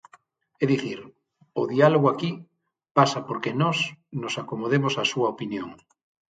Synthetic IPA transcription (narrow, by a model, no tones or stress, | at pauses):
eðiθiɾ | oðialoɣoaki | pasapoɾkenɔsnosakomoð̞emosasuɐopinjoŋ